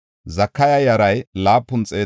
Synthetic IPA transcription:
zɐkːɐjɐjɐɾɐjlaːpːʊnt͡sʼeː

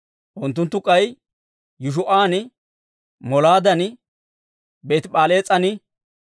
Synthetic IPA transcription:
ʔʊnt̪ːʊnt̪ːʊkʼːɐj | jʊʃ̬ʊʔaːnɪ | mɔlaːd̪ɐnɪ | beːt̪pʼaːle̞ːt͡sʼɐnɪ

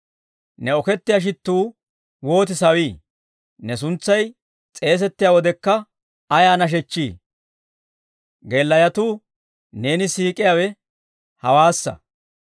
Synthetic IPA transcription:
nɛɔkɛt̪ːɪjaʃ̬ɪt̪ːuː | wo̞ːt̪̬ɪsɐwiː | nɛs̬ʊnt͡sːɐj | t͡sʼe̞ːs̬ɛt̪ːɪjawɔd̪ɛkːɐː | jaːnɐʃ̬ɛt͡ʃːiː | ɡe̞ːlːɐjɐt̪uː | ne̞ːnɪsiːkʼɪjawɛ | hɐwaːsːɐ̰

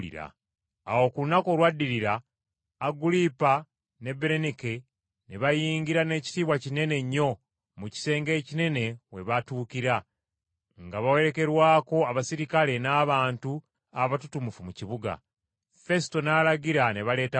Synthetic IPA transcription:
ḭɾa̰ː | wo̞kulunako̞lwadːiɾiɾaː | ɡulipa | ne̞beɾenike | neβajiːŋɡiɾane̞ːci̥tiːβwacine̞ne̞ɲːo̞ | muci̥se̞ːŋɡe̞ːcine̞ne̞we̞βatuːkiɾa | ŋɡaβawe̞ɾe̞ke̞ɾwaːko̞aβasiɾikale̞naːβaːntu | aβatutumufumuciβuɡa̰ | fe̞sto̞naːlaɟiɾane̞βale̞ːta

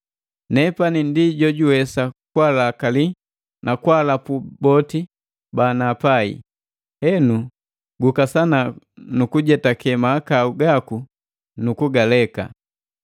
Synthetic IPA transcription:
nɛpanindiɟɔɟuwɛsakwalakali | nʔakwalapubɔti | banapaḭ | hɛnu | ɡukasana | nukuɟɛtakɛmaːkauɡaku | nukuɡalɛka̰

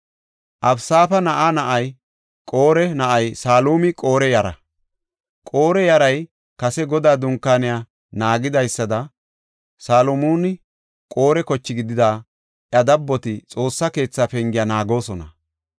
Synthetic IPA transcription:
ʔɐbsaːfɐnɐʔanɐʔɐj | kʼo̞ːɾɛnɐʔɐjsaːluːmɪkʼo̞ːɾɛjɐɾɐ̰ | kʼo̞ːɾɛjɐɾɐj | kɐsɛɡɔd̪aːd̪ʊŋkːaːnɪjaː | naːɡɪd̪ɐjsːɐd̪ɐ | saːlɔmuːnɪ | kʼo̞ːɾɛkɔt͡ʃːɪɡɪd̪ɪd̪aː | ʔjɐd̪ɐbːɔt̪ɪt͡sʼo̞ːsːɐke̞ːt͡sːaːfɛŋɡɪjanaːɡo̞ːsɔnɐ̰

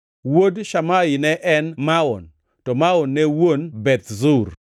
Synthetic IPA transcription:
wodʃamaɪnɛʔɛnmaɔn | tɔmaɔnːɛwonbɛt̪zuɾ

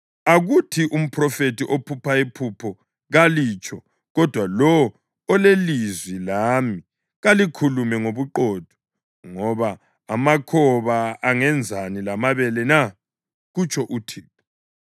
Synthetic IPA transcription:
aɣutʰiʔum̩pʰrɔfetiʔopʰupʰaipʰupʰɔ | ɣalit͡ʃʰʼɔ | ɣɔd̥ʱwalɔwɔ | ɔlelizwilami | ɣalikʰulumɛŋoβuǃɔd̥ʱɔ̥ | ŋɔβaː | makʰɔβaaŋɛnd͡zʱanilamaβɛlɛna | ɣut͡ʃʼʰɔʔutʰiːp̚ʰɔ̥

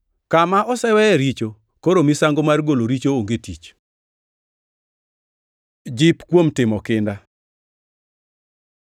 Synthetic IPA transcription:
kamaʔɔsɛwɛɛɾit͡ʃo | koɾomisaŋɡomarɡoloɾit͡ʃooŋɡetit͡ʃ | d͡ʒɪpkwomtɪmɔkɪnda

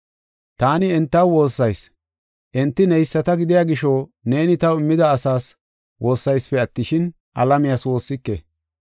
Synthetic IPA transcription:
t̪aːnɪɛnt̪ːɐwwo̞ːsːɐjs | ʔɛnt̪ːɪnɛjsːɐt̪ɐɡɪd̪ɪjaːɡɪʃoːne̞ːnɪt̪ɐwɪmːɪd̪ɐːsaːs | wʔo̞ːsːɐjspɛɐt̪ːɪʃɪn | ʔɐ̰lɐmɪjaːswo̞ːsːɪkːḛ

